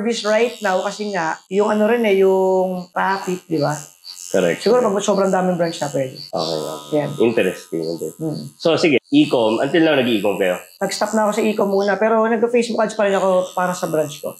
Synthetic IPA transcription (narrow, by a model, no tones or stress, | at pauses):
bisɹajt̪̚nawkɐsɛŋaʔjʊŋʔɐno̞ɾɪnɛjʊŋt̪ɾaːfɪt̪̚d̪ɪbakoɾɛ̰k̚t̪sɪɡuːɾopɐɡsobɾɐŋd̪aːmɪŋbɹant͡ʃnɐpɛd̪ɪʔo̰ːkɛ̰jo̰kjanʔɪnt̪ɛɾɛst̪ɪŋʔɪ̰nt̪ɛɾɛm̩ːʔ̩sosɪɡɛʔiːkomʔɐ̰nt̪ɪllɐŋnɐɡʔiːkomkɐjo̞nɐɡst̪ap̚nɐko̞sɐʔiːkomːuːnɐpɛːɾo̞nɐɡ̚pɐfejsbʊkɐd̪d͡ʒpɐɾɪnɐko̞paːɾɐsɐbɾant͡ʃko̞̰